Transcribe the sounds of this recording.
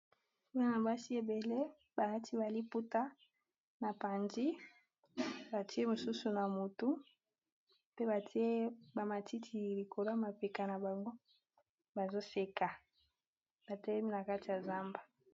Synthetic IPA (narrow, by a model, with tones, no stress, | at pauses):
u˦a˦na˨ba˦si˦e˨be˨le˦ | ba˨a˦tʰi˦ba˨li˦pu˦ta˦ | na˨pa˨ndi˦ | ba˨ti˦e˦mo˨su˦su˨na˨mu˨tu˦ | pe˦ba˨ti˦e˦ba˨ma˨tʰi˦tʰi˨li˨kʰo˨la˦ma˨pe˨ka˨na˨ba˨ŋɡo˦ | ba˨zo˦se˦ka˨ | b̥a˨tɛ˦lɛ˦mi˦na˨ka˦ti˨ja˨za˦mba˨